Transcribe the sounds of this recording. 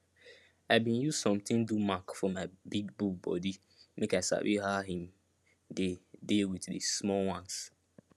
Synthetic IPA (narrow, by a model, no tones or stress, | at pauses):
aɪbĩnjuzsɔ̃mtɪ̃ndumakfɔmaɪbiɡbukbɔ̰di | mekaɪsa̰bḭɦaɦĩm | dedewiddḛsmɔlwãns